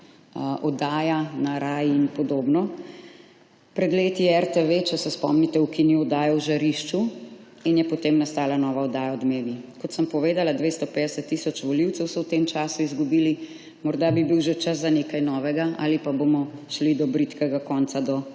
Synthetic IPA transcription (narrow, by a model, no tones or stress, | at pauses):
ʔɔd̪aːjanaɾaːjiinpɔd̪oːbnɔ | pɾɛd̪leːt̪iɛɛɾt̪eʋet͡ʃɛsɛspɔ̰mnit̪ɛukiniɔd̪aːjɔwʒaɾiʃt͡ʃu | injɛpɔt̪eːmnast̪aːlanɔːʋaɔd̪aːjaɔd̪meːʋikɔt̪səmpɔʋeːd̪alad̪ʋeːst̪ɔped̪ɛsət̪ːisɔt͡ʃʋɔliwt̪sɛwsɔwt̪emt͡ʃasuizɡubiːli | mɔɾd̪abibiwʒɛt͡ʃas̬zaneːkajnɔːʋɛɡaʔa̰lipabomɔʃlid̪ɔbɾit̪kɛɡakɔnsad̪ɔ